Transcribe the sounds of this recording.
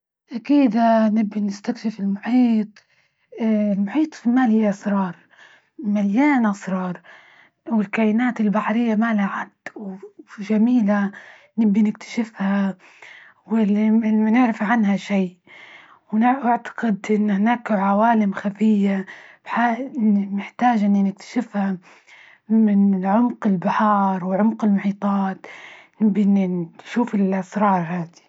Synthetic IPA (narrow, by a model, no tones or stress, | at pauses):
ʔakiːd̪anɪbːinɪst̪akʃɪfɪlmʊħiːt̪ˤ | lmʊħiːt̪ˤfimaːlhɪjːʔɑsɾˤɑːɾˤ | maljaːnʔɑsɾˤɑːɾˤ | wɪlkaːʔɪnaːt̪ɪlbaħɾɪjːamaːlaʕad̪wʒamiːla | nɪbːinɪk̚t̪ʰḁʃɪfha | wɪlːiɪnɪʕɾɪfʕanhaʃiːʔ | wnɪʔaʕt̪ḁqɪd̪ʔɪnːhnaːkʕawaːlɪmxafɪjːab̥ħanɪħt̪aːd͡ʒʔɪnːinɪk̚t̪ʰḁʃɪfha | mɪnʕʊmqɪlbɪħɑːɾˤwɪʕʊmqɪlmʊħiːt̪ˤɑːt̪nɪbːinːiʃuːfɪlʔasɾˤɑːɾˤhaːd̪i̥